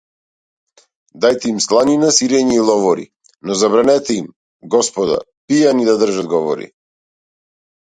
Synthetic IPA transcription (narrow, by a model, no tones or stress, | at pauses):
d̪ajt̪ɛimslˠaninasiɾɛɲiːlˠɔvɔɾḭ | nɔzabɾanɛt̪ɛim | ɡɔspɔd̪a̰ | pijanid̪ad̪r̩ʒad̪ɡɔvɔ̰ɾḭ